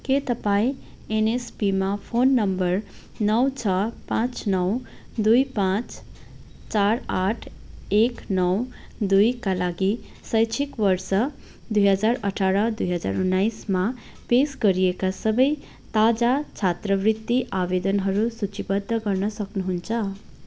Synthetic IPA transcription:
ket̪ʌpaĩ | enespimapʰonːʌmbʌɾ | nʌwt͡sʰʌpãt͡snʌw | d̪ujpãt͡s | t͡ʃaɾaʈʰeknʌwd̪ujkalaɡi | sʌjt͡ʃʰikwʌrsʌ | d̪ujɦʌd͡zarʌʈʰaɾʌd̪ujɦʌd͡za̰ɾunːajsma | pesɡʌɾijekasʌbʌj | t̪ad͡zat͡sʰat̪rʌbrit̪ːiʔabed̪ʌnɦʌɾusut͡ʃibʌd̪ʱːʌɡʌrnʌsʌknuɦunt͡sʰʌ

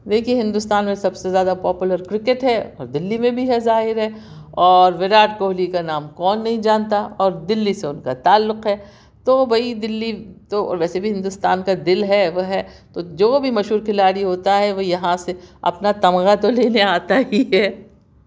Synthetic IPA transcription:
d̪eːkʰiẽɦɪ̃nd̪ʊst̪aːnmẽsɐbsezjaːd̪apɔːpjʊləɾkɾɪkeʈɦɛɔ̰ːɾd̪ɪlːimẽbʱiɦɛzaːɦɪɾɦɛ | ɔːɾʋɪɾaːʈkoːɦlikanaːmkɔːnːɐɦĩd͡ʒaːnt̪aɔːɾd̪ɪlːiseʊnkat̪aːlːʊqɦɛː | t̪obʱɐid̪ɪlːit̪oɔ̰ːɾʋɛːsebʱiɦɪ̃nd̪ʊst̪aːnkad̪ɪlɦɛʋoɦɛt̪od͡ʒoːbʱimɐʃɦuːɾkʰɪlaːɾiɦoːt̪aɦɛʋojɐɦãseɐ̰pnat̪ɐmɣat̪oleːneaːt̪aɦiɦɛː

